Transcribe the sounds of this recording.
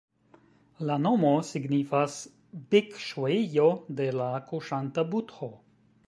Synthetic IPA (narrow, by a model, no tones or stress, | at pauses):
lanomosiɡnifas | bikʃwoijod̪elakoʃant̪abut̪ho